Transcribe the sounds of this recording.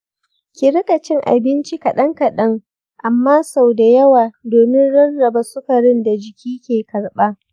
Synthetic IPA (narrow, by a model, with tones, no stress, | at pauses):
kʲɪ˨ɾɪ˦kɐ˨t͡ʃɪ˦ŋʔa̰˨bɪ˦nt͡ʃi˦kɐ˨ɗɐ˦ŋkɐ˨ɗɐ˦ŋ | ʔa˨mːaː˦sa˨wda˨jɐ˦waː˨doː˨mɪ˦nɽɐ˦rːɐ˨ba˦sʊ˦kɐ˨ɽɪ˦nda˨d͡ʒɪ˨kʲʰiː˦kʲeː˨kɐ˨ɽɓaː˦